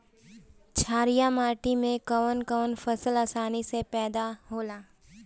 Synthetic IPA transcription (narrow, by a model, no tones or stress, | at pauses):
t͡ʃʰaːɾijamaːʈimẽkəʋənkəʋənfɐsəlaːsaːnisepɛːd̪aɦoːlaː